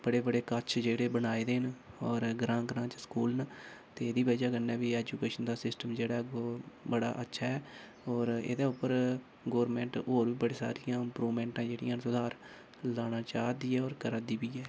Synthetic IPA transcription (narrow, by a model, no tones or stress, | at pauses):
b̥əɽeːbəɽeːkət͡ʃʰd͡ʒeːɽeːbənaːid̪eːnɔːɾɡɾãːɡɾãːt͡ʃskuːlnət̪eːd̪iːʋəd͡ʒaːkənːɛ̃ːʋiːɛːd͡ʒuːkeːʃənd̪aːsɪsʈəmd͡ʒeːɽaːɡoːbəɽa̰ːʔətːʃʰaːɛː | ɔːɾḛːd̪eːʊpːəɾ | ɡɔːɾmɛ̃ːɳʈɦoːɾʋiːbəɽeːsa̰ːɾijãːɪmpɾuːʋmɛ̃ːɳʈãːd͡ʒeːɽḭjãːnsʊd̪ʱaːɾ | laːɽ̃aːt͡ʃaːd̪iːɛːɔːɾkəɾəd̪iːbiːɛː